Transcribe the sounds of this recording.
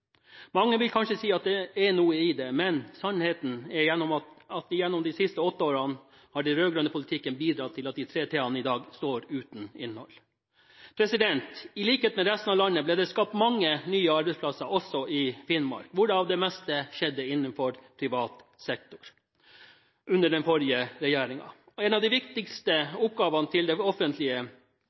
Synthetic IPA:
mɑŋːəʋɪlkʰɑnʂəsiːɑt̪̚d̪ɛɛɳuːəɪd̪ɛmɛnsɑnheːt̪n̩ɛɾjɛnːɔmɑt̪ɪjɛnːɔmd̪ɪsɪst̪əɔt̪ːəoːɾɑn | hɑːɖɛnɾøːɡɾʉnəpʊlɪt̪ʰɪkːənbiːd̪ɾɑt̪ʰːɪlɑt̪̚d̪ɪt̪ʰɾeːt̪ʰeːɑnəɪd̪ɑːɡst̪oːɾʉːt̪n̩ɪ̰nːhɔ̰l | pʰɾɛsɪd̪ɛnt̪ɪliːkəheːt̪mɛɾɛst̪n̩ɑʋlɑnːəbleːd̪ɛskɑp̚t̪mɑŋːənyːəɑɾbɛɪspʰlɑsəɾʔɔsɔʔɪfɪnmɑ̰ɾkʋʊɖɑnɑʋd̪ɛmɛst̪əʃɛd̪ːəɪnːənfɔɾpʰɾɪʋɑːt̪sɛkt̪ʊ̥ɾ | ʔʉnːəɖɛnfɔɾɪəɾɛjæːɾɪŋɑ̰ | ɔɛnɑʋd̪ɪʋɪkt̪ɪkst̪əʊp̚ɡɑːʋɑnət̪ʰɪld̪ɛɔfənt̪lɪə

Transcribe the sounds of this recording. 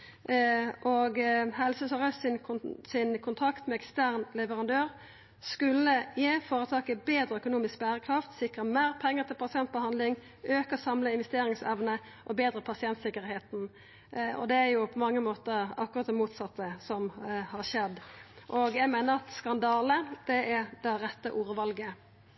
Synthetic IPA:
ʔɔɡɦɛlsəsəʁəssɪnsɪnkʰʊnt̪ʰʁɑkt̪mɛɛkst̪æːʁnlɛʋəɾɑnd̪øːʁ | skʉlːəjeːfoːɾət̪ʰɑːkəbeːd̪ɾəœkʊnuːmɪsk̚bæːɾəkʰɾɑft̪sɪkʁəmeːʁpʰɛŋːəʁt̪ʰɪlpʰɑsɪɛnt̪̚bəɦɑnd̪lɪŋ | øːkəsɑmləɪnʋɛst̪eːɾɪŋsɛʋnə | ʔɔbeːd̪ɾəpʰɑsɪɛnt̪sɪkːəɾheːt̪n̩ | ɔ̰d̪ɛæɾjʊpʰɔmɑŋːəmoːt̪əɑkːʊʁɑt̪̚d̪ɛmuːt̪sɑt̪ːəsɔmhɑʁʃɛd̪ʔɔɡjæɪɡmeːnəʁɑt̪skɑnd̪ɑːləd̪̥ɛæd̪ɛɾɛt̪ːəʔuːɾəʋɑlɡə

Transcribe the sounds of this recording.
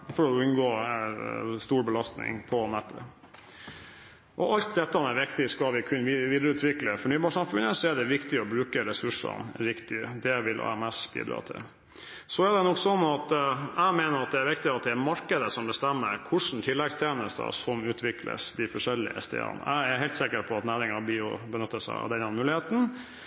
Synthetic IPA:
fɔɾɔʉnɡoː | st̪uːɾbəlɑst̪nɪ̰ŋpʰɔnɛt̪ʰːə | ʔɔʔɑlt̪̚d̪ɛt̪ːəɑnɛɾʋɪkt̪ɪskɑʋɪkʰʉnːəʋʋiːd̪ɾəʉːt̪ʰʋɪkləfɔɳyːbɑʂɑmfʉnəsɔɛɖɛʋɪkt̪ɪɔbɾʉːkəɾɛsʉʂə̰nɾɪkt̪ɪd̪ɛʋɪlʔɑ̰ɛmɛsbḭːd̪ɾɑ̰ːt̪ʰɪ̰l | sɔæɖɛnɔksɔnːɑt̪æɪmeːnəɾɑt̪̚d̪ɛæɾʋɪkt̪ɪɑt̪̚d̪ɛæmɑɾkəd̪əsɔmbəst̪ɛmːə̰ɾkʰʊʂɳn̩t̪ʰɪlːɛɡst̪ʰjeːnəst̪ə̰sɔmʉːt̪ʰʋɪklə̰sd̪ɪfɔʂɛlːɪ̰əɛ̰st̪ʰḛːɑ̰næ̰ɪæɾhɛɪlt̪sɪkəɾpʰɔɑt̪næːɾɪŋɑbiːʊ̰bənʏt̪ːəsæ̰ɪɑ̰d̪ɛnɑnmʉːlɪheːt̪n̩

